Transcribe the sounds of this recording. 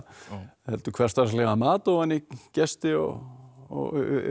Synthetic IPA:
hɛlt̪ʏ̥kʰvɛr̥t̪aslɛɣamaːt̪ɔanːicɛst̪ɪɔ̰ɔ̰ɣ

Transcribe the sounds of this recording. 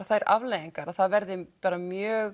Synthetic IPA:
aθaɛɾa̰vleːjiŋkaɾaðθaðvɛɾðɪpaːɾamjœːɣ

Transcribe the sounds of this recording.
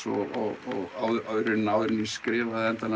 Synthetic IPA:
ɔ̰ɔɣɔɣawðawðɾʏnawðʏɾɪniskɾɛːvaðɛnt̪ana

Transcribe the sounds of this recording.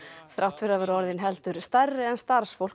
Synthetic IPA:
θɾʔawht̪ʰvɪɾavaɾɔɾðɪnɦɛlt̪ʏɾst̪arːɪɛnst̪aɾ̥sfowlk

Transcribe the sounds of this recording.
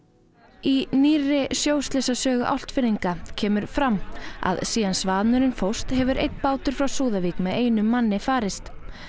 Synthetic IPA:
iniːrɪsjoːwst̪lɛsasœːɣʏʔawl̥t̪fɪɾiŋkacʰɛːmʏɾ̥fɾamːa̰ðsiːðansvaːðnʏɾɪnfowst̪hɛvʏɾʔḛjt̪paːwt̪ʏɾ̥fɾawsuːðavikmɛðeːjnʏmːanːɪfaːɾɪst̪

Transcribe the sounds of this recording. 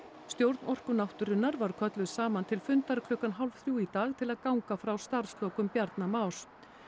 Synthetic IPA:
st̪jowɾt̪nɔr̥kʏnawht̪ʏɾɪnːaɾvaɾkʰœt̪lʏsaːmant̪ʰɪlfʏnt̪aɾk̪ʰʏhkanɦalv̥θɾjuːit̪aːɣt̪ʰɪlaðkawŋkafɾawst̪aɾ̥slɔwkʏmpjaɾt̪namaːwɾ̥

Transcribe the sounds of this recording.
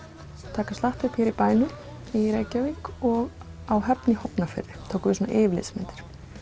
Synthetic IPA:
t̪ʰaːkast̪laht̪ɪpʰɛɾipaːjnʏ | iɾeːjcaviŋkɔɣ | awɦɛpnihɔpnafɪ̰ɾðɪt̪ʰoːwkʏvɪsɔna̰ʔɪːvlɪ̰smɛ̰nt̪ɪ̥ɾ̥

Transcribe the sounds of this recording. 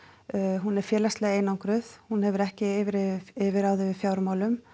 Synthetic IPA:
ɦunɛɾ̥fjɛːlast̪lɛːɣeːjnawŋkɾʏθhunhɛvʏɾɛhcɪɪvɪɾɪvɪɾawðɪvɪ̥fjawɾmawlʏm

